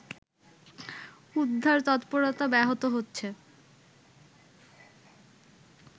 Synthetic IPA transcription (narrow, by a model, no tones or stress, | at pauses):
ud̪ʱːaɾt̪ɔt̪poɾot̪abɛɦot̪oɦotːɕʰe